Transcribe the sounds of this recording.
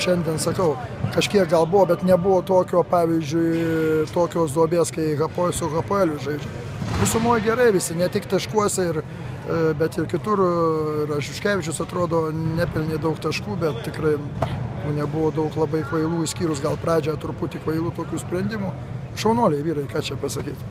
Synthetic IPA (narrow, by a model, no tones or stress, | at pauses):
ʃʲɛnʲd̪ʲiɛnsɐkɐʊkɐʃʲkʲiɛk̚ɡɐlˠbʊʋoːbʲɛt̪nʲɛbʊʋoːt̪oːkʲoːpɑːʋʲizʲd͡ʒʲʊɪt̪oːkʲoːsd̪oːbʲeːskɐɪɣɐposʊɣɐpoːɛlʲʊʒɐɪd͡ʒʲʊ | ʋʲɪsʊmoːjɡʲɛɾɐɪʋʲɪsʲɪnʲɛt̪ʲɪkt̪ɐʃkuɔsʲɛɪr | bʲɛt̪ɪrkʲɪt̪ʊrɪrɐʒʲʊʃʲkʲæːʋʲɪt͡ʃʲʊsɐt̪ɾoːd̪oːnʲæpʲɪlʲnʲeɪd̪ɐʊkt̪ɐʃkuːbʲɛt̪̚tʲɪkrɐɪjuːnʲɛbʊʋoːd̪ɐʊklˠɐbɐɪkʋɐɪlˠuːsʲkʲiːɾʊsɡɐlˠpɾɑːd͡ʒʲɛɐt̪ʊɾpʊt̪ʲɪkʋɐɪlˠuːt̪oːkʲuːsʲpʲɾʲɛnʲd̪ʲɪmuː | ʃɐʊnuɔlʲɛɪʋʲiːɾɐɪkɑːt͡ʃʲɛpɐsɐkʲiːt̪